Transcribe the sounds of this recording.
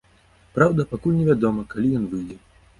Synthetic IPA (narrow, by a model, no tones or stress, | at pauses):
pɾawd̪ɐpakulʲnʲɛvʲad̪ɔmɐkalʲijɔnvɨjd̪ʲɛ